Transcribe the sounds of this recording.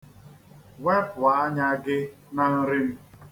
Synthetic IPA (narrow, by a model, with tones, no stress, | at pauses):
wɛ˦pa˨a˦ɲa˦ɡɪ˦ | na˦n̩˦ɾɪ˦m̩˦